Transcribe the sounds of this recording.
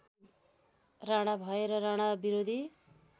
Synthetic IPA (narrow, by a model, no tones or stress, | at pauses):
raɽ̃abʱʌeɾʌɾaɽ̃abiɾod̪ʱi